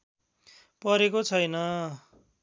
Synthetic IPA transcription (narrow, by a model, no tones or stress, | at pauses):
pʌɾekot͡sʰʌjnʌ